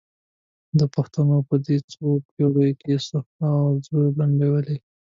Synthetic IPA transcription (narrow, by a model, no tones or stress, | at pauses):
d̪əpaxt̪anopəd̪et͡sopjoɽəjkesaxtawzojlaɳɖewəle